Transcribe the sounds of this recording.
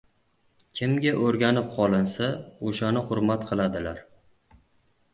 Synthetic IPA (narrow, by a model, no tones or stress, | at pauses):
kʲʰɪmɡʲaʔoɾɡʲanɪp̚qʰɒlˠɪnsaoʃanɪχʊɾmat̪qʰɨlˠad̪ɪlaɾ